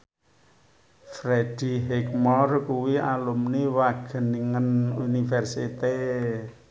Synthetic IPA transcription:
fɾed̥i̤ɦɛk̚mɔrkuwialumniwaɡ̥ə̤niŋənunifɛrsit̪e

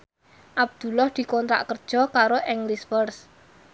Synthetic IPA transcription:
ʔab̚d̪̥ṳlɔhd̪̥i̤kɔnt̪ɾa̰ʔkərd̥ʒ̥ɔ̤kaɾoʔɛŋlisfərs

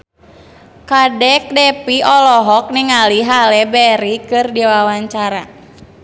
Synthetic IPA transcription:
kadɛk̚dɛpiɔlɔɦɔk̚niŋaliɦalɛbɛɾikɨrdiwawaɲt͡ʃaɾa̰

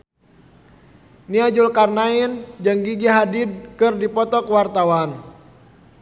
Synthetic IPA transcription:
niad͡ʒulkarnaind͡ʒaŋɡiɡiɦadid̚kɨrdipɔt̪ɔkwart̪awan

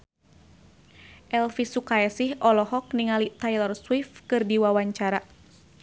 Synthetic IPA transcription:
ʔɛlfisukaɛsihɔlɔɦɔk̚niŋalit̪ajlɔrswifkɨrdiwawaɲt͡ʃaɾa

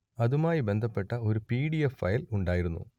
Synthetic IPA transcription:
ɐðumaːjibe̞nd̪ʱɐpːe̞ʈːɐo̞ɾupiːɽijefːɐjiluɳɖaːjiɾunːṵ

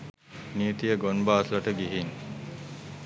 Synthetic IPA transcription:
niːt̪ijəɡonbaːslɐʈəɡiɦiŋ

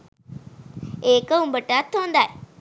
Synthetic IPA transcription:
eːkəumbəʈːaːt̪ːond̪aj

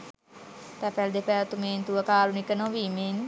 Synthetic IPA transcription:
t̪æfɛld̪epɛɾt̪umeːnt̪uʋəkaːɾunikənoʋiːmen

